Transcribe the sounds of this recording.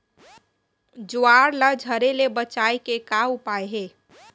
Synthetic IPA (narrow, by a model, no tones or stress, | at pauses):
d͡ʒuaɾləd͡ʒʱəɾelebət͡ʃaekekaupaeɦeː